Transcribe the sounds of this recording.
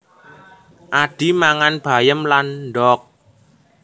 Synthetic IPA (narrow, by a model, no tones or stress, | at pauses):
ʔaɖ̥i̤maŋanb̥a̤jəmlanɖɔk̚